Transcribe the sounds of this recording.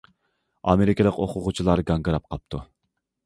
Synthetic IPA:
ɑ̰meɾɪkʲɪlˠəqoqʰʊʁʊt͡ʃʰilˠɑɾɡɑŋɡɨɾɑp̚qʰɑp̚t̪ʰu

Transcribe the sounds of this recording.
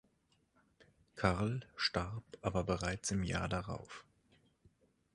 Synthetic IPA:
kʰaʁlʃtaʁpʔaːbɐbəʁaɪt͡sɪmja̰ːɐdaʁa̰ʊf

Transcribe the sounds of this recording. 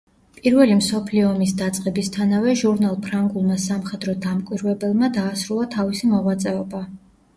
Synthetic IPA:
pʼiɾvɛlimsɔpʰliɔːmisd̪at̪sʼqʼɛbist̪ʰanavɛʒuɾnalˠpʰɾaŋɡulˠmasamχɛd̪ɾɔd̪amkʼwiɾvɛbɛlˠmad̪aːsɾulˠat̪ʰavisimɔʁwat̪sʼɛɔba

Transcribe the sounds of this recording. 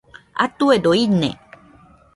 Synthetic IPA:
a̰t̪uedoinḛ

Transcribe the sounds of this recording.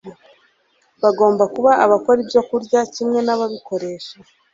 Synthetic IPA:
βaɡo̞ːmbakuβaʔːβako̞ɾibjo̞kuɾɟacimŋe̞naβaβiko̞ɾe̞ːʃa

